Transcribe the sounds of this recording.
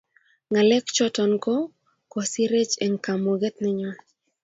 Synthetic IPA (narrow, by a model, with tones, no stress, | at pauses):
ŋa˨lɛ˦kt͡ʃɔ˦tɔ˨nkɔ˦ | kɔ˨si˦ɾe˦t͡ʃe˨ŋka˨mo˨ɡɛ˦t̪nɛ˦ɲɔ˦